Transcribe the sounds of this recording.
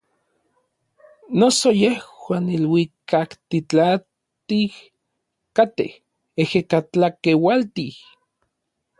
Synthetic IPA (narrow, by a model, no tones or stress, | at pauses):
nosojehwaːnilwikakt̪it͡ɬa | t̪ih | kat̪ḛh | ehekat͡ɬakewalt̪ih